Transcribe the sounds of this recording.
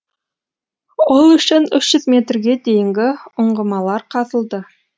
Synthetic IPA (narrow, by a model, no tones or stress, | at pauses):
olˠɵ̆ʃɪnɵʃʒ̥ɵzmʲet̪rɡʲed̪ejɪŋɡʲɪŏɴɢə̆mɑlˠɑɾqʰɑðə̆lˠd̪ə